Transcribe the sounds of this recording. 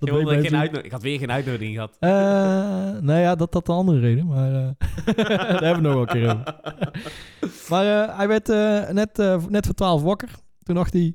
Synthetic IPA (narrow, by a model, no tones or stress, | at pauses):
d̥ɔddenœtnɪkɑtʋɪːrxeːnœɥtnowdɪŋɣəɦɑtə | neːjadɑtɑtənɑndərərejdənmaːrə | dɦɛbəʋənɔxʋɛlˠəŋkɪːroːvə | maːrəɦɛjʋɛɹtənɛtnɛtfəːtʋaːlˠfʋɑkər | tundɑxti